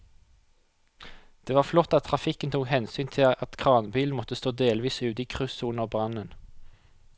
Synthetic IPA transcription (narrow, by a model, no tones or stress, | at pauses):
d̪̥eːʋɑːflɔt̪ːɑt̪ʰʁɑfɪkənt̪ʰuːkhɛnsyːnt̪ʰɪɑt̪kʰʁɑːnbiːln̩mɔt̪əst̪oːd̪eːlʋiːsʉːt̪iːkʰʁʉsunəbʁɑnən